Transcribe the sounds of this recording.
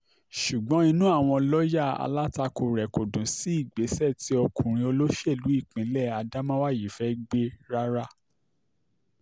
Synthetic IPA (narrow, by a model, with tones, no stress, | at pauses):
ʃu˨ɡ͡bɔ̃˨˦i˧nũ˦a˦˨w̃ɔ̃˧lɔ˦ja˦˨a̰˧la˦ta˧ko˨ɾɛ˨ko˨dũ˨˦si˨˦i˦˨ɡ͡be˨˦sɛ˦˨ti˨˦ɔ˧kũ˨ɾ̃ĩ˧o˧lo˦ʃe˦˨lu˨˦i˦˨k͡pĩ˨˦lɛ˦˨a˧da˦mã˦wa˦˨ji˨fɛ˨˦ɡ͡be˦ɾa˦ɾa˦